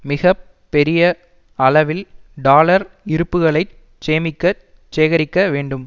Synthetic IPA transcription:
mɪɣɐpːɛɾɪjɐ | ɐɭɐʋɪlɖaːlɐɾ | ɪɾɯpːɯɣɐɭɐɪ | t͡ʃeːmɪkːɐ | t͡ʃeːɣɐɾɪkːɐʋeːɳɖɯm

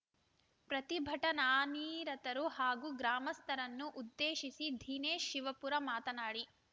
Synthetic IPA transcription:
pɾɐt̪ibʱɐʈɐnaːniːɾɐt̪ɐɾuhaːɡuɡɾaːmɐst̪ʰɐɾɐnːuʔud̪ːeːʃisid̪ʱiːneːʃːiʋɐpuɾɐmaːt̪ɐnaːɽi

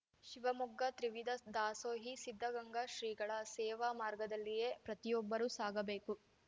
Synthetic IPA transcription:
ʃiʋɐmuɡːɐt̪ɾiʋid̪ʱɐd̪aːsoːɦisid̪ʱːɐɡɐŋɡaʃɾiːɡɐɭɐsɛːʋaːmaːɾɡɐd̪ɐlːije̞pɾɐt̪ijɔbːɐɾusaːɡɐbe̞ːku

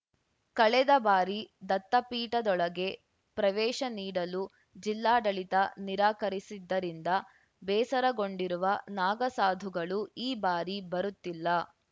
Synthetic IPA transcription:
kɐɭɛd̪ɐbaːɾid̪ɐt̪ːɐpiːʈɐd̪ɔɭɐɡe̞ | pɾɐʋɛːʃɐniːɽɐlu | d͡ʒilːaːɖɐɭit̪ɐniɾaːkɐɾisid̪ːɐɾind̪ɐ | bɛːsɐɾɐɡo̞ɳɖiɾuʋɐnaːɡɐsaːd̪ʱuɡɐɭuiːbaːɾibɐɾut̪ːilːɐ

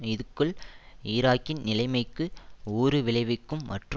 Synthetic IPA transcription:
ɪðɯkːɯɭɪːɾaːkːɪnnɪlɐɪmɐɪkːɯuːɾɯʋɪlɐɪʋɪkːɯmːɐʈrɯ

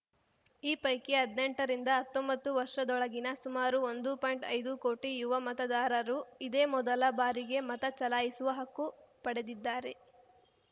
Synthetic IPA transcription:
iːpɐjkeɦɐd̪ne̞ɳʈɐɾind̪ɐɦɐt̪ːɔmbɐt̪ːuʋɐɾʂɐd̪ɔɭɐɡinɐsumaːɾuond̪upɔːjɳʈɐjd̪ukoːʈijuʋɐmɐt̪ɐd̪aːɾɐɾuid̪e̞ːmɔd̪ɐlɐbaːɾiɡe̞mɐt̪ɐt͡ʃɐlaːjisuʋɐɦɐkːupɐɽe̞d̪id̪ːaːɾe̞

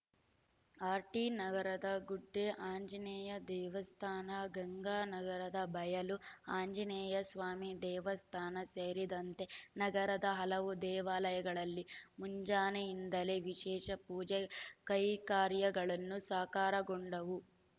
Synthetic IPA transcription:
aːɾʈinɐɡɐɾɐd̪ɐɡuɖːeʔaːɲd͡ʒɐnɛːjɐd̪ɛːʋɐst̪ʰaːnɐɡɐŋɡaːnɐɡɐɾɐd̪ɐbɐjɐluaːɲd͡ʒɐnɛːjɐsʋaːmid̪ɛːʋɐst̪ʰaːnɐseːɾid̪ɐnt̪e̞nɐɡɐɾɐd̪ɐɦɐlɐʋud̪ɛːʋaːlɐjɐɡɐɭɐlːimuɲd͡ʒaːnejind̪ɐle̞ʋiʃɛːʃɐpuːd͡ʒɛkɐjkaːɾjɐɡɐɭɐnːusaːkaːɾɐɡoɳɖɐʋu

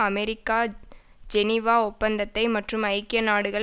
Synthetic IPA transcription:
ɐmɛɾɪkːaː | d͡ʒɛnɪʋaːɔpːɐnd̪ɐt̪ːɐɪmɐʈrɯmɐɪkːɪjɐnaːɽɯɣɐ

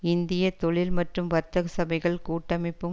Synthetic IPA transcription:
ɪnd̪ɪjɐt̪ɔɭɪlmɐʈrɯmʋɐɾt̪ːɐɣɐsɐbɐɪɣɐɭkuːʈːɐmɪpːɯ

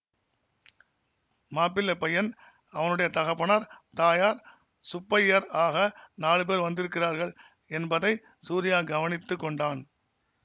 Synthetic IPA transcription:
maːpːɪlːɐpɐjɐn | ɐʋɐnɯɽɐjɐt̪ɐɣɐpːɐɳɐɾt̪aːjaːɾ | sʊpːɐjɐɾaːɣɐnaːɭɯpeːɾʋɐnd̪ɪɾɯkːɪraːɾɣɐɭ | ɛnbɐðɐɪ | suːɾɪjaːɡɐʋɐnɪt̪ːɯkːɔɳɖaːn

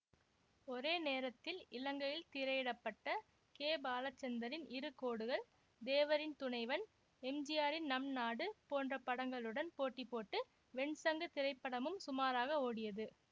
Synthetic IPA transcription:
ɔɾeːneːɾɐt̪ːɪlɪlɐŋɡɐjɪlt̪ɪɾɐjɪɽɐpːɐʈːɐ | keːbaːlɐt͡ʃːɐnd̪ɐɾɪnɪɾɯkoːɽɯɣɐɭ | d̪eːʋɐɾɪnt̪ʊnɐɪʋɐn | ɛmd͡ʒɪjaːɾɪnnɐmnaːɽɯpoːndrɐpːɐɽɐŋɡɐɭɯɽɐnpoːʈːipːoːʈːɯ | ʋɛɳsɐŋɡɐt̪ɪɾɐɪpːɐɽɐmɯmsʊmaːɾaːɣɐoːɽɪjɐðɯ

